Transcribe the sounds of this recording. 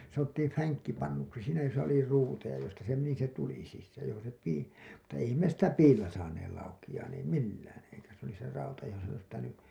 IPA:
sɑnotːiːm fæŋkːipɑnːuksi siːnæ josɑ oli ruːtejɑ jostɑ se meni se tuli sisːæːj jɑ johon̞ se piː mutːɑ eihæm me sitæ piːlːæ sɑːneːl lɑukij̆ɑːn ei milːæːn eikæ s oli se rɑutɑ johon s ois pitæny

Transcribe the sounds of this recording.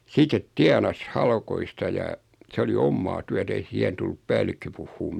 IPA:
sitet tiɑnɑs hɑlkoistɑ jɑ se oli omːɑː tyæt ei siɛhen tulːup pæːlːikːø puhːuːm

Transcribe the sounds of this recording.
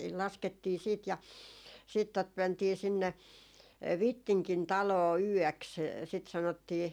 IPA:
lɑsketːiː siːt jɑ siːt tot mæntiː sinːe ʋitːiŋkin tɑloː yœˑks sit sɑnotːiː

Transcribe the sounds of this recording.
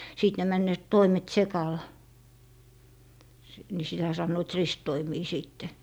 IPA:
siˑt ne mænːøːt toimet sekɑl ni sitæ sɑnːoit ristːoimiː siːtːe

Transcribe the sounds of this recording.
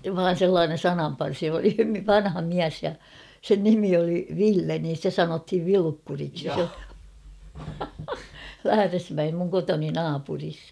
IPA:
ʋɑːn̞ selːɑːnen̞ sɑnɑmpɑrsi oli ʋɑnhɑ miæs jɑ sen nimi oli ʋilːe nin̞ stæ sɑnothiʋ ʋilukːuriksi læhæresmæem muŋ kotoni nɑːpuris

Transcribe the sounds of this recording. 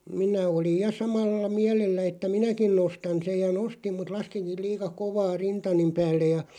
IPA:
minæ olij̆ jɑ sɑmɑlːɑ miælelːæ etːæ minækin nostɑn̞ sej jɑ nostim mut lɑskiŋkil̆ liːkɑ koʋɑː rintɑnim pæːlːej jɑ

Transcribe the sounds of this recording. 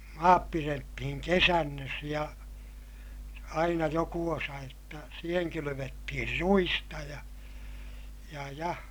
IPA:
jɑ mɑːp piretːihiŋ kesænːøs jɑ ɑinɑ joku osɑ jotːɑ siːheŋ kylyʋetːihir ruistɑ jɑ jɑ jɑ

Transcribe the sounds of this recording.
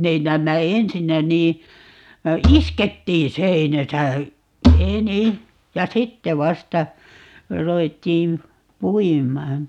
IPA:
ne næːmːæ ensinːæ niː isketːiːn̞ seinæsæ eni jɑ sitːe ʋɑstɑ ruʋetːiːm puimˑɑːn

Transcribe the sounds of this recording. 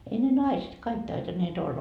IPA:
ei ne nɑiset kɑik tɑitɑnːeːt olːɑ

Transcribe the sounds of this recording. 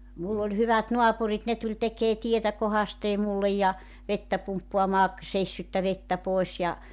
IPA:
mulː olʲ hyʋæt noɑpurit ne tulʲ tekeː tietæ kohɑsteː mulːej jɑ ʋetːæ pumpːoɑmɑː seisːytːæ ʋetːæ poˑes jɑ

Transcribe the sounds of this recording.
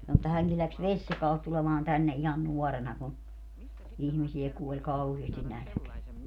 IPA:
sɑno etːæ hæŋki læks ʋesʲjɑkɑːlt tulemɑːn tænːe ihɑn nuɔrenɑ ku ihmisiɛ kuolʲ kɑuheːstin nælæ̆keæ

